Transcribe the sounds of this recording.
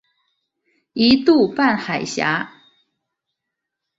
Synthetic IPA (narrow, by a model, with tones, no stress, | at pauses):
i˧˦t̪u˥˨pa˥˩˨nxa˨˩ɪɕja̰˧˦